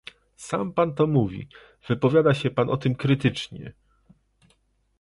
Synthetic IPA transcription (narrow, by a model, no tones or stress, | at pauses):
sa̰mpant̪ɔmuvʲḭ | v̥ɘpɔvʲjad̪aɕɛpanʔɔt̪ɘmkɾɘt̪ɘt͡ʂɲɛ̰